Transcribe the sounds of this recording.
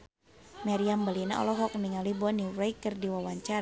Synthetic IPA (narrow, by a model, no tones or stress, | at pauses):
maɾiambəlina̰ʔɔ̰lɔɦɔk̚niŋalibɔniɾajkərdiwawaɲt͡ʃaɾ